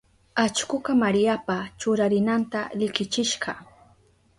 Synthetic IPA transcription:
at͡ʃkʊkamaɾjapat͡ʃʊɾaɾɪnant̪alɪkɪt͡ʃɪʃɢɑ

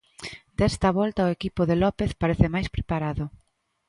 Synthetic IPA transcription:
d̪̥ɛst̪ɐβɔlt̪ɐoekipʊðelɔpeθpaɾeθɪmajspɾepaɾaðʊ

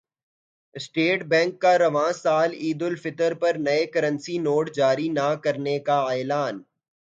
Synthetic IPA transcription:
sʈeːʈbɛ̃ːŋkːaɾɐʋãːsaːliːd̪ʊlfɪt̪əɾpɐɾnɐekɐɾə̃nsinoːʈd͡ʒaːɾinakɐɾnekaɛːlaːn

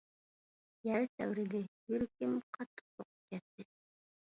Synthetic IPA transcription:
jæɾt̪ʰæ̰wɾɪɡ̪ɪjyɾkʲɪmqʰɑt̪ʰːə̥q̚t̪ʰoqʊ̥p̚kʲɛt̪ːɪ

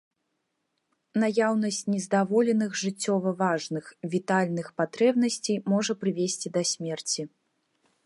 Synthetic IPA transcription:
najawnɐsʲt͡sʲnʲɛzd̪avɔlʲɛnɨxʐɨt͡sʲːɔvɐvaʐnɨxvʲit̪alʲnɨxpat̪ɾɛbnɐsʲt͡sʲejmɔʐɐpɾɨvʲesʲt͡sʲid̪ɐsʲmʲɛrt͡sʲi

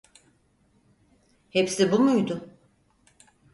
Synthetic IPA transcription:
hepsibumujd̪ʊ

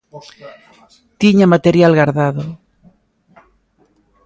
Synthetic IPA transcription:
t̪iɲamat̪eɾjalɣaɾðaðo

